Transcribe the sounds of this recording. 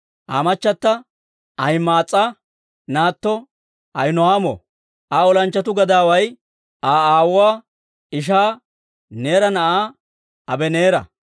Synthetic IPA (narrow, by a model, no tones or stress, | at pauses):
ʔaːmɐt͡ʃːɐt̪ːɐ | ʔɐjmaːt͡sʼːa | naːt̪ːɔ | ɐjnɔhaːmɔ̰ | ʔɐɔlɐnt͡ʃːɐt̪ʊɡɐd̪aːwɐj | ʔaːaːwwaː | ɪʃ̬aː | neːɾɐnɐʔaː | ɐbɛneːɾɐ̰